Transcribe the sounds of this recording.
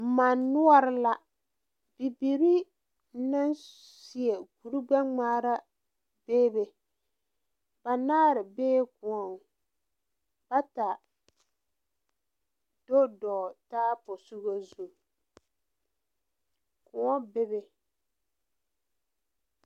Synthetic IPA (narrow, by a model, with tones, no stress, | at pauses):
m̩˨ma˨nːʊ˦ɔ˦ɾɪ˦la˨ | bi˨bi˨ɾi˦ | na˦n | si˨e˨ɡu˨ɾu˦ɡ͡ba˦ŋ͡maː˦ɾa˦ | beː˦be˨ | ba˨naː˦ɾɪ˨beː˦kʊ˨ɔ˨ŋ˨ | b̥a˦ta˨ | d̥o˦dɔ˨taː˦pʊ˨su˦ɣo˦zu˦˨ | kʊ˨ŋɔ˦be˦be˨